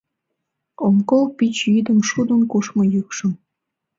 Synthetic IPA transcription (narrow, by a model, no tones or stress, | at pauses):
omkolpit͡ɕjyd̪əmʃud̪ənkuʃmojykʃəm